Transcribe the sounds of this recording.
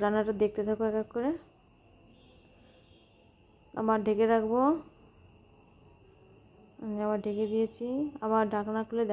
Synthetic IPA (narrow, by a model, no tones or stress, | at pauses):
ɾanaʈad̪ek̚ʰt̪et̪ʰakoɛkakːoɾe | a̰maɾɖʱekeɾakʰbo | amiamaɾɖʱeked̪ijet͡ɕʰiamaɾɖʱakanakʰuled̪